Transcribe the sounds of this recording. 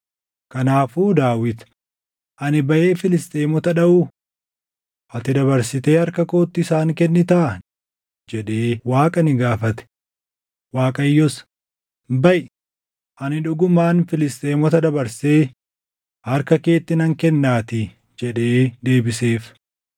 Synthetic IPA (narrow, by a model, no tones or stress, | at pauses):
kɐnaːfuːd̪aːwɪt̪ | ʔɐnɪbɐʔe̞ːfɪlɪst̪ʼeːmɔt̪ɐᶑɐʔuː | ʔɐt̪ɪd̪ɐβɐɾsɪt̪e̞ːhɐɾkɐko̞ːt̪ːɪɪsaːŋkɛnːɪt̪ɐʔ | d͡ʒɛᶑeːwaːkʼɐnɪɡaːfɐt̪ɛ̥ | waːkʼɐjːɔs | bɐʔ | ʔɐnɪᶑʊɡʊmaːnfɪlɪst̪ʼeːmɔt̪ɐd̪ɐbɐɾse̞ː | hɐɾkɐke̞ːt̪ːɪnɐŋkɛnːaːt̪ɪ | d͡ʒɛᶑe̞ːd̪e̞ːbɪse̞ːf